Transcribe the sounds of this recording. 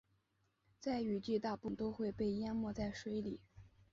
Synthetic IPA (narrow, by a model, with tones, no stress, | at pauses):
t͡sa˥˩ɪy˨˩t͡ɕi˥˧t̪a˥˧pu˥˩ŋt̪o˥ʊxwe˥˧ɪpe˥˩ɪja˥nmwɔ˥˧t͡sa˥˩ɪʂwe˧˥ɪli˨˩˦